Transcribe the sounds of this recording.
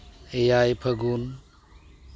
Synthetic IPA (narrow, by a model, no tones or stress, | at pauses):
ejajpʰɐɡun